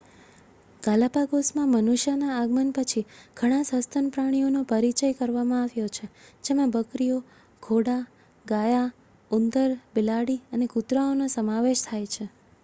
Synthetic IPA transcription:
ɡ̥alapaɡosmãmənuʃjanaaɡmənpət͡ʃʰiɡ̥ʱəɽ̃ãsəst̪ʰənpɾaɽ̃ijonopəɾit͡ʃəjkəɾʋamãaʋjot͡ʃʰed͡ʒemãbəkɾijo | ɡʰʱoɽa | ɡaja | und̪əɾbɪlaɽiənekut̪ɾaonosəmaʋeʃt̪ʰajt͡ʃʰe

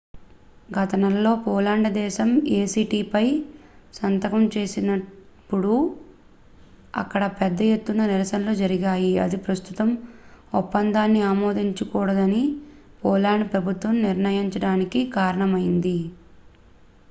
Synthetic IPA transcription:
ɡʱɐt̪ɐnɐlːo̞ːpɔːlaːɳɖd̪ɛːʃɐmeːsiːʈiːpɐjsɐnt̪ɐkɐmt͡ʃe̞ːsinɐ | pːuɽu | ɐ̰kːɐɽɐpɛd̪ːɐje̞t̪ːunɐniɾɐsɐnloːd͡ʒɐɾiɡaːjiɐ̰d̪ipɾɐst̪ut̪ɐmupːɐnd̪aːnːiaːmoːd̪iɲt͡ʃukuːɽɐd̪ɐni | pɔːlaːɳɖpɾɐbʱut̪ʋɐmniɾnɐjiɲt͡ʃɐɽaːnikikaːɾɐɳɐmɐjind̪i

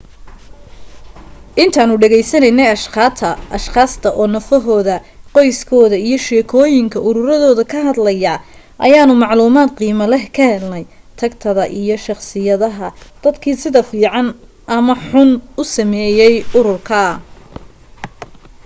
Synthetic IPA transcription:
ʔɪnt̪ʰaːnʊɖɛɣɛjsɐnɛjnɛjɐʃat̪ʰɐʔɐʃχaːst̪ʰɐʔɔːnɐfɔɦɔːðɐqɔjskʰɔːðɐijɞʃɛːkʰɔːjɪŋkʰɐʔʊɾʊɾɐðɔːðɐkʰɐɦɐd̪lɐjɐː | ʔɐ̰jaːnʊmɑʕluːmaːd̪̚qiːmɐlɛhkʰɐhɛlnɛj | t̪ʰɐkt̪ʰɐðɐʔijɞʃɑχsɪjɐðɐɦɐd̪̥ɐd̪kʰiːsɪðɐfiːʕɑn | ʔɐmɐħʊnʊsɐmɛːjɛjʊɾʊrkʰɐ

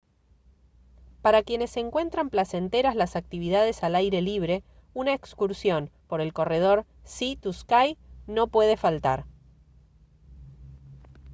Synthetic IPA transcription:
paɾakje̞ne̞se̞ŋkwe̞nt̪ɾamplase̞nt̪e̞ɾazlasak̚t̪iβiðað̞e̞salajɾe̞liβ̞ɾe̞ | unaekskuɾsjo̞npo̞ɾe̞lko̞re̞ð̞o̞ɾ | sit̪uskajno̞pwe̞ð̞e̞falt̪aɾ

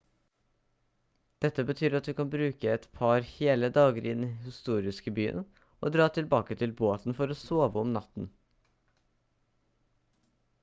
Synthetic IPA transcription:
d̪̥ɛt̪ːəbət̪ʰyːɾɑt̪̚d̪ʉːkɑnbɾʉːkəɛt̪pʰɑɾheːləd̪ɑːɡəɾʔɪnihɪst̪uːɾɪskəbyːə̰n | ʔoːd̪ɾɑːt̪ʰɪlbɑːkət̪ʰɪlboːt̪n̩fɔɾoːsoːʋəɔmnɑt̪n̩

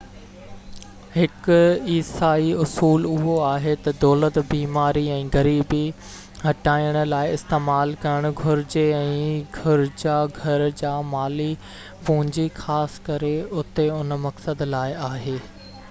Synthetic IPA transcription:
hɪkʊiːsaːiʊsuːlʊɦoaːɦet̪ɐd̪ɔːlət̪biːmaːɾiɛ̃ːɡɐɾiːbi | ɦɐʈaːijəɽ̃ʊ̆laːɪɪst̪eːmaːlkɐɾəɽ̃ʊɡʱʊɾɪd͡ʑeɛ̃ːɡʱʊɾd͡ʑaːɡʱɐɾd͡ʑaːmaːli | pʊ̃ɦɪ̃ɲd͡ʑixaːskɐɾeʊt̪eʊnmɐksəd̪laːɪaːɦeː

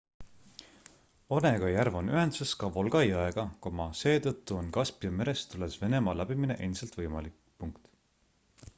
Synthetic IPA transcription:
o̞ne̞ɡ̥ɑjærvonyɦend̪̥seskɑvo̞lɡ̥ɑjɑeɡ̥ɑkomɑse̞ːt̪ɤt̪ːuonkɑspjɑme̞ɾe̞st̪ule̞sve̞ne̞mɑlæb̥imine̞ʔensɑlt̪vɤjmɑlik | puŋkt̪

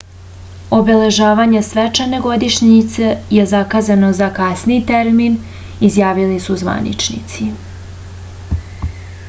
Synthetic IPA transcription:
o̞bele̞ʒaːʋaːɲesʋet͡ʃane̞ɡo̞d̪iʃɲit̪sejezakaːzano̞zakasnijt̪eɾmin | izjaːʋilisuzʋa̰nḭt͡ʃnḭt̪si

